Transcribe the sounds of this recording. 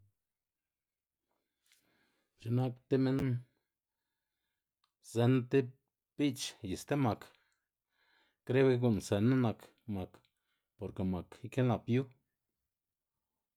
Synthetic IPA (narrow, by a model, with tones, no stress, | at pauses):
t͡ʃe˧na˦kt̪e˦me˦n | ze˧nt̪e˦ | b̥i˦t͡ʃji˨st̪e˦ma˨k | kɾe˦bke˧ɡu˧˨nse˨ne˦na˧k | ma˨k | po˨ɾke˨ma˨ki˦ke˦nla˨pju˦